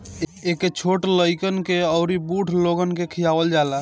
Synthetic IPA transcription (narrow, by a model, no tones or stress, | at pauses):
ekːet͡ʃʰoʈləjkənkeəʊɾibuʈʰloɡənkekʰijabəld͡ʒala